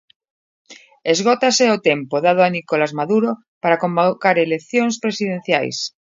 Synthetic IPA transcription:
ezɣot̪aseot̪empoðað̞oanikolazmaðuɾo | paɾakombokaɾelekθjonspɾesið̞enθja̰js

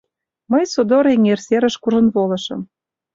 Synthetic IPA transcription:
məjsod̪oɾeŋerseɾə̆ʃkuʒə̆nβolɤ̆ʃɤ̆m

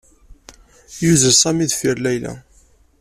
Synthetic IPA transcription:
juzəɾsæmiðfiɾlæjlæ̰

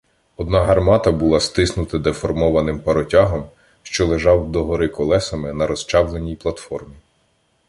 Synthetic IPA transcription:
ɔd̪nɑɦɐrmɑt̪ɐbulˠɑst̪ɪsnʊt̪ɪd̪efɔrmɔʋɐnɪmpɐɾɔtʲaɦɔm | ʃt͡ʃɔlˠeʒɑwd̪ɔɦɔɾɪkɔlˠɛsɐmɪnɐɾɔst͡ʃɑwlˠenʲijplˠɐt̪fɔrmʲi

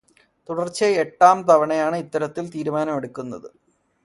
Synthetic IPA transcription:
t̪uɽɐrt͡ɕɐeʈːaːmt̪ɐʋɐɳɐjaːɳɨit̪ːɐɾɐt̪ːilt̪iːɾumaːnɐmeɽukʲːunːɐ̰ðɨ

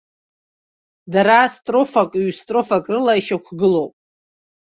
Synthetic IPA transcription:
daɾastʼrofakʼɥstʼro̞fakʼrɨlaiʃakʷʰɡɨlowpʼ

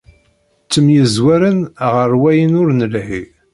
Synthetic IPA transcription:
t͡sːəmjəzwæɾənʁəɾwæjənʊɾnəlhi

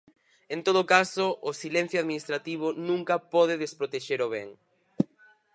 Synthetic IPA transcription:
ent̪oð̞okasoʔʊsilɛn̟θjoaðminist̪ɾat̪iβ̞ʊnũŋkɐpɔð̞ɪðespɾot̪eʃeɾoβɛŋ

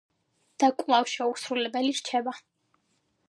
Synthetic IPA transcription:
d̪̥akʼlˠafʃɛusɾulɛbɛliɾt͡ʃʰɛba

